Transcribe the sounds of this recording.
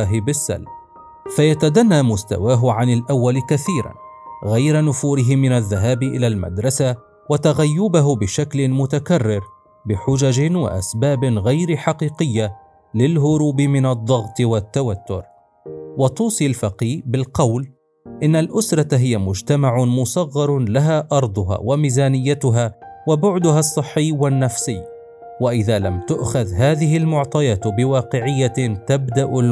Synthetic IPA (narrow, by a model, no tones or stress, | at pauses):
aɦɪbɪsːa̰l | fajat̪ad̪anːaːmʊst̪a̰waːɦʊʕanɪlʔawːalkaθiːɾa̰nɣajɾanʊfuːɾɪɦɪmɪnaðːaɦaːbɪʔɪlalma̰d̪ɾˤɑsa | wat̪aɣajːʊbaɦʊbɪʃaklɪmʊt̪akarːɪɾ | bɪħʊd͡ʒad͡ʒɪnwa̰ʔa̰sbaːbɪɣajɾɪħɑqiːqɪjːa | lɪlɦʊɾuːbɪmɪnɑd̪ˤːɑɣt̪ˤɨwat̪ːawat̪ːʊɾ | wɑt̪ˤuːsˤilfaqiːbɪlqɑwl | ʔɪnːalʔʊsɾˤɑɦɪjamʊd͡ʒt̪amaʕʊmʊsˤɑɣːɑɾˤlaɦaːʔɑɾˤd̪ˤʊɦa̰ːwamiːzaːnɪjːat̪ʊɦaːwabʊʕd̪ʊɦasˤːɨħːɪːwanːafsɪː | waʔɪðaːlamt̪ʊʔxaðɦaːðɪɦɪlmʊʕt̪ˤɑjɑːt̪bɪwɑːqɪʕɪjːat̪abd̪aʔʊl